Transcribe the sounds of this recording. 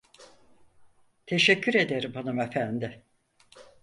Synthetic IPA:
t̪ʰeʃɛcʰːyɾe̞d̪eɾimbanɯmefænd̪ɪ

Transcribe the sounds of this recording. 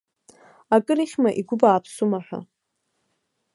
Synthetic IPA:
akʼɨɾiχʲmaʔiɡʷʊbaːpʰsumaħʷᶣa̰

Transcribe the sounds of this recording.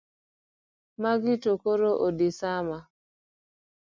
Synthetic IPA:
maɡɪtokoɾoʔodisama

